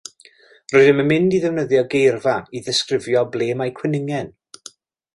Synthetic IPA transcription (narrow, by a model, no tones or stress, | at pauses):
roɨðɪmənmɪndiðɛvnəðjɔɡejrvaiðɛskrɪvjɔbleːmajkʰwɛnɪŋɛn